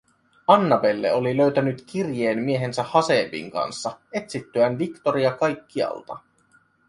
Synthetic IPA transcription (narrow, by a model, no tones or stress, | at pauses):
ɑnːɑbe̞lːe̞̰o̞liløɥt̪ænyt̪k̟irjeːnmie̞ɦe̞nsæhɑse̞ːbḭːŋkɑ̰nsːɑe̞t̪sit̪ːøænʋikt̪o̞ɾiɑkɑjkːiɑ̰lt̪ɑ